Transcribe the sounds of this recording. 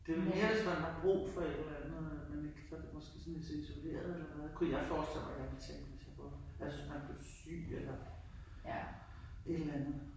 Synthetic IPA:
d̥e̝me̝ːɐʋe̝smænhɑ̈b̥ʁṵːfɒ̽ed̥lænð̩ˠmene̝ɡ̥əsɒd̥emɒ̽sɡ̥e̝̰ːsɔnisiso̝le̝̰ːɐðˠelɐæðˠkʰujɑ̈ɪfɒ̥ːsd̥el̰ʋæɡ̥jæket͡sʰeŋ̰d̥ʋe̝sjɑ̈b̥uælsʋesmænb̥le̝sy̰ːelɐ | e̝d̥l̩ænð̩ˠ

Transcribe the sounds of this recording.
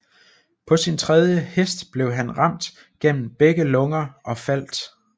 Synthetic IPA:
pʰɒ̽sint͡sʰʁɛð̞ˠjəhesd̥b̥le̝ʊɦænʁɑ̈m̰d̥ | ɡ̥en̰m̩b̥eɡ̥əlɔ̽ŋɐʔɒ̽fæl̰d̥

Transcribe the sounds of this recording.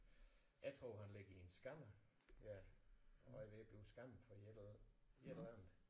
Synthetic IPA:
æt͡sʰʁoʊhænleɡ̥iensɡ̥ɑmɐ | jæ | ɒ̽d̥eb̥leʊsɡ̥ɑ̈m̰̩fɒ | ed̥æn̩ˠ

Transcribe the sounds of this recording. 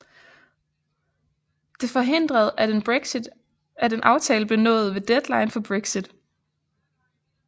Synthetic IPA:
d̥e̝fɒ̽ɦe̝n̰d̥ʁɐð̞̩ˠnid̥ | æd̥e̝nʔɑ̈ʊt͡sʰɛːləb̥le̝nɔ̰̽ːð̞̩ˠʋe̝d̥ed̥lɑ̈ɪnfɒ̽b̥ʁeɡ̥sid̥

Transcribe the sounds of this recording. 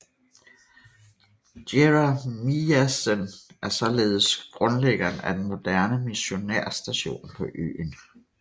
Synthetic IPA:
d̥eʁɑmiæsənʔæɐsɒ̽le̝ːð̞̩ˠsɡ̥ʁɔ̽nleɡ̥ɐnæd̥enmo̝d̥æɐ̰nəmiɕo̝næɐ̰sd̥æɕo̝̰ːnpʰɒ̽ʔø̰ːn

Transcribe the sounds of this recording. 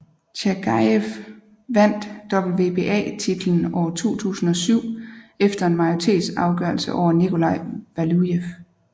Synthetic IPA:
ɕʰæɡ̥ʰɑef | ʋæn̰d̥ːɒ̽b̥l̩ʋe̝b̥e̝ʔɛ̰ːt͡sʰid̥l̩n̩ɒ̰ːɐt͡sʰo̝̰ːt͡sʰṵːsn̩ɒ̽syʊ̰efd̥ɐe̝nmɑ̈ɪot͡sʰe̝̰ːd̥sɑ̈ʊɡ̥œɐlsəʔɒʊ̰ɐnikʰo̝lɑ̈ɪ̰ʋælujef

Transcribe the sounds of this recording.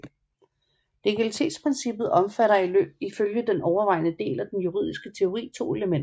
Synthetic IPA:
le̝ɡ̥ælit͡sʰe̝̰ːd̥spʰʁɛnsib̥ð̞̩ˠɒ̽mfæɾɐilø̰ːb̥̚iføljəd̥enʔɒʊɐʋɑ̈ɪ̰nəd̥e̝̰ːlæd̥enjuʁið̰ˠisɡ̥ət͡sʰe̝o̝ʁḭːt͡sʰo̝̰ːe̝ləmen̰dɐ

